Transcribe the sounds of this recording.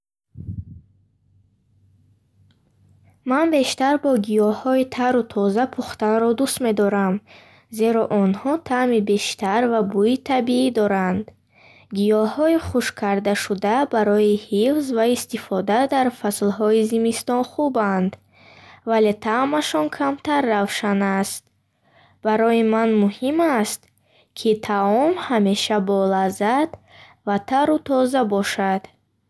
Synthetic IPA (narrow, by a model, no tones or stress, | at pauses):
manbe̞ʃt̪aɾbɔɡijɔhɔit̪ʰaɾut̪ʰɔzapʰuχt̪anɾɔd̪ust̪me̞d̪ɔɾam | ze̞ɾɔʔɔnhɔt̪ʰamibe̞ʃt̪aɾvabuit̪ʰabiid̪ɔɾand̪ | ɡijɔhɔiχuʃkʰaɾd̪aʃud̪abaɾɔihifzvaist̪ifɔd̪ad̪aɾfaslɦɔizimist̪ɔnχuband̪ | vale̞t̪ʰamaʃɔnkʰamt̪ʰaɾːavʃanast̪̚ | b̥aɾɔjimanmuhimast̪ | kʰit̪ʰaɔmhame̞ʃabɔlazad̪ | vat̪ʰaɾut̪ʰɔzabɔʃad̪̥